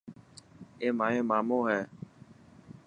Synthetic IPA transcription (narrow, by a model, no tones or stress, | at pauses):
eːmaːɦẽːmaːmõːɦɛː